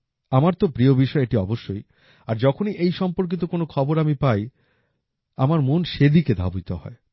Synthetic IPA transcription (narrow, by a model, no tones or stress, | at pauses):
amaɾt̪opɾiobiʃɔeeʈiɔboʃːoj | aɾd͡ʑɔkʰoniʔejʃɔmpoɾk̬it̪okonokʰɔboɾamipaj | amaɾmonʃed̪iked̪ʱa̰but̪oɦɔ̰e